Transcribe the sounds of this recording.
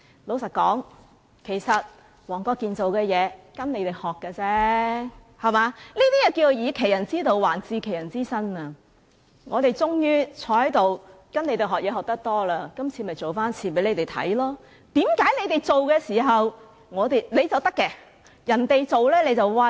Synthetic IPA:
lo˨˥wsɐ˨t̚kɔː˨˥ŋ | kʰe˨˩jsɐ˨t̚ | wɔː˨˩ŋkɔː˧kiː˨nt͡so˨wkɛː˧jɛː˨˧kɐ˥nne˨˧jt̪e˨˩hɔː˨kːɛː˧t͡sɛ˥ | hɐ˨maː˨˧niː˥t̪iː˥jɛ˨˩ki˧o˨˧jiː˨˧kʰe˨˩jɐ˨˩nt͡siː˥t̪o˨˧wwaː˨˩nt͡siː˧kʰe˨˩jɐ˨˩nt͡siː˥sɐ˥nɐː˧ | ŋɔː˨˧t̪e˨jt͡sʊ˥ŋjyː˥t͡ʃʰɔː˨˧˥hɐ˨˥jt̪o˨˩w | kɐ˥ne˨˧t̪e˨˩ɦɔː˨k̚jɛː˨˧˥ɦɔː˨k̚t̪ɐ˥k̚t̪ɔː˥laː˧kɐ˥mt͡sʰiː˨˧mɐ˨jt͡so˨˩wfaː˥nt͡sʰiː˨˩pe˨˥jle˨˧jt̪e˨˩jt̪ʰɐ̰˨˥jlɔː˥ | t̪iː˨˥mkaː˨˥jle˨˧jt̪e˨jt͡so˨wkɛː˧siː˨˩ɦɐ˨w | ŋɔː˨˧t̪e˨jne˨˧jt͡sɐ˨wt̪ɐ˥kːɛː˧ | jɐ˨˩nt̪e˨jt͡so˨wlɛː˥le˨˧jt͡sɐ˨wwɐ˧

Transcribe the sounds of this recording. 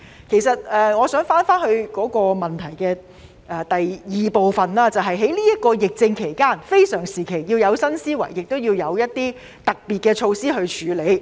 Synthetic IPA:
kʰe˨˩jsɐ˨t̚ɛː˨ŋɔː˨˧sœː˨˥ŋfaː˥nfaː˥nhɵ˧ɥkɔː˨˥kɔː˧mɐ˨nt̪ʰɐ˨˩jkɛː˧ | ʔɛː˨˩t̪ɐ˨jjiː˨po˨wfɐ˨nlaː˥t͡sɐ˨wɦɐ˨jɦe˨˥jliː˥jɐ˥t̚kɔː˧jɪ˨k̚t͡sɪ˧ŋkʰe˨˩jkaː˥nfe˥jsœː˨˩ŋsiː˨˩kʰe˨˩jjiː˧wjɐ˨˧wsɐ˥nsiː˥wɐ̰˨˩jːɪ˨k̚t̪o˥wjiː˧wjɐ˨˧wjɐ˥t̚t̪iː˥ | t̪ɐ˨k̚piː˨t̚kɛː˧t͡ʃʰo˧wsiː˥ɦɵ˧ɥt͡ʃʰyː˨˧le˨˧j

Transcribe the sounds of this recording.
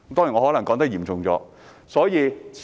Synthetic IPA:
t̪ɔː˥ji˨˩ŋɔː˨˧ɔː˨˥lɐ˨˩ŋkɔː˨˥ŋt̪ɐ˥jiː˨˩mt͡sʊ˨ŋt͡sɔ̰ː˨˧ | sɔː˨˥jiː˨˧s

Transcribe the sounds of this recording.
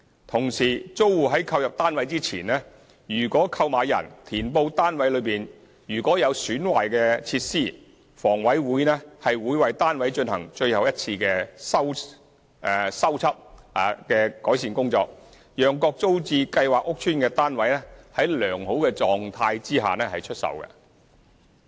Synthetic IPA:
t̪ʰʊ˨˩ŋsiː˨˩t͡so˥wwuː˨˩ɦɐ˨˥jkʰɐ˧wjɐ˨p̚t̪aː˥nwɐ˨˥jt͡siː˥t͡sʰḭː˨˩nɛː˥ | jyː˨˩kɔː˨˥kʰɐ˧wmaː˨˧jɐ̰˨˩nt̪ʰiː˨˩npo˧wt̪aː˥nwɐ˨˥jlɵ˨˧piː˨n | jyː˨˩kɔː˨˥jɐ˨˧wsyː˨˥nwa̰ː˨˩jkɛː˧t͡sʰiː˧t̚siː˥˩ | fɔː˨˩ŋwɐ˨˥jwuː˨˥jnɛː˥hɐ˨jwuː˨˧jwɐ˨jt̪aː˥nwɐ˨˥jt͡ʃɵ˧nhɐ˨˩ŋt͡ʃɵ˧ɥhɐ˨wjɐ˥t̚t͡sʰiː˧kɛː˧sɐ˥w | sɐ˥wt͡sʰɐ˥p̚a˨˩kɛː˧kɔː˨˥js̬iː˨˩nkʊ˥ŋt͡sɔ̰ː˧k̚ | jœː˨˩ŋkɔː˧k̚t͡so˥wt͡siː˧kɐ˧jwaː˨˩k̚ʊ˥k̚t͡ʃʰyː˥nkɛː˧t̪aː˥nwɐ˨˥jnɛː˥hɐ˨˥jlœː˨˩ŋɦo˨˥wkɛː˧t͡sɔː˨ŋt̪ʰaː˧jt͡siː˥ɦa̰ː˨nɛː˥hɐ˨jt͡ʃʰɵ˥t̚sɐ̰˨˩wkɛ̰˧

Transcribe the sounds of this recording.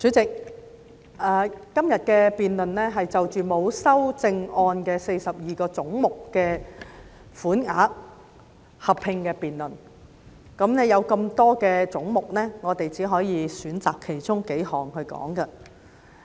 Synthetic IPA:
t͡syː˨˥t͡sɪ˨k̚ | ʔɛː˨˧kɐ˥mjɐ˨t̚kɛː˧piː˨nlɵ˨nlɛː˥ɦɐ˨jt͡sɐ˨wt͡ʃyː˨mo˨˧wsɐ˥wt͡sɪ˧ŋɔː˧nkɛː˧se˧jsɐ˨p̚jiː˨kɔː˧t͡sʊ˨˥ŋmʊ˨kːɛː˧ | fuː˨˥nŋa̰ː˨˥k̚ | hɐ˨pʰɪ˧ŋkɛː˧piː˨nlɵ˨˩n | kɐ˨˥mnɛː˥jɐ˨˧wkɐ˧mt̪ɔː˥kɛː˧t͡sʊ˨˥ŋmʊ˨k̚nɛː˥ŋɔː˨˧t̪e˨jt͡siː˨˥ɦɔː˨˥jiː˨˧syː˨˥nt͡saː˨kʰːe˨˩jt͡sʊ˥ŋke˨˥jhɔː˨˩ŋhɵ˧ɥkɔ̰ː˨˥ŋkɐ˧

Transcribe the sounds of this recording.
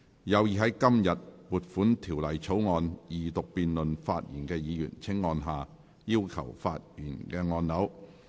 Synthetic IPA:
jɐ˨˧wjiː˨ɦɐ˨˥jkɐ˥mjɐ˨t̚puː˨t̚fuː˨˥nt̪ʰiː˨˩wlɐ˨jt͡sʰo˨˥wŋɔː˧njiː˨t̪ʊ˨k̚piː˨nlɵ˨nfaː˧t̚jḭː˨˩nkɛː˧jiː˨˧jy̰ː˨˩nt͡sʰɪ˥ŋːɔː˧nɦaː˨ | jiː˥wkʰɐ̰˨˩wfa̰ː˧t̚jyː˨˩nkɛː˧ŋɔː˧nnɐ˨˥w

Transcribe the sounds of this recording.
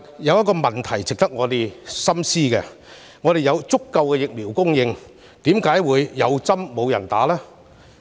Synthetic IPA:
jɐ˨˧wjɐ˥tkɔː˧mɐ˨˩nt̪ʰɐ˨˩jt͡sɪ˨k̚t̪ɐ˥k̚ŋɔː˨˧t̪e˨jsɐ˥msiː˥kɛ̰˧ | ŋɔː˨˧ɾe˨jɐ˨˧wt͡sʊ˥kːɐ˧wkɛ˧jɪ˨k̚miː˨˩wkʊ˥ŋjɪ˧ŋ | t̪iː˨˥mkaː˨˥jwuː˨˧jːɐ˨˧wt͡sɐ˥mːo˨˧wjɐ˨˩nt̪a̰ː˨˥lɛː˥

